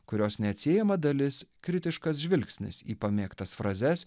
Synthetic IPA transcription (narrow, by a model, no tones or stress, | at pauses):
kʊɾʲoːsnʲɛɐt̪ʲsʲeːjɛmɐd̪ɐlʲɪskɾʲɪt̪ʲɪʃkɐs̬ʒʲʋʲɪlʲksʲnʲɪ̰sḭːpɐmʲeːkt̪ɐsfɾɐzʲɛs